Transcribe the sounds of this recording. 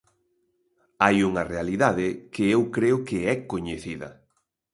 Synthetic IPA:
ajuŋɐrealiðaðɪkɪewkɾeʊkɪɛkoɲeθiðɐ̰

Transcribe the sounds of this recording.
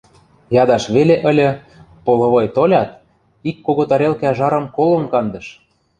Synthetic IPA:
jɑd̪ɑʃβeleʔə̆lʲə̆ | polɤ̆βɤjt̪olʲɑt̪̚ | ikːoɣot̪ɑɾelkeæʒɑɾɤ̆mkolɤ̆mkɑnd̪ɤ̆ʃ

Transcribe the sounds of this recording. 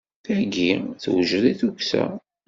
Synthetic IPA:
θæɡiθwʒðiθuksæ̰

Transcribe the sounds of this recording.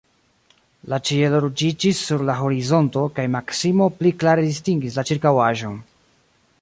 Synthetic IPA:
lat͡ʃieloɾud͡ʒid͡ʒisːuɾlaɦo̞ɾizo̞nto̞kajmaksimo̞pliklaɾedistiŋɡis̬lat͡ʃiɾkawaʒo̞n

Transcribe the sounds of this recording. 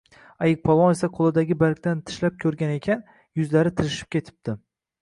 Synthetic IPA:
ajɪk̚pʰɒvɒne̞saqʰolˠɪd̪aɡʲɪbalkʲt̪ant̪ʰɪ̥ʃlap̚kʲʰɵɾɡʲane̞kʲʰan | jʊzlaɾɪt̪ʰɪɾɪʃɪ̥p̚kʲʰe̞t̪ʰɪ̥p̚d̪ɪ

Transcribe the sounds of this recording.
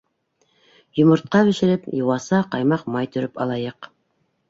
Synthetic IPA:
jŏmŏɾt̪̚qɑβɘ̆ʃɘ̆ɾɘpjuwɑsɑqɑjmɑqmɑjt̪ɵ̆ɾɘpɑlˠɑjɤq

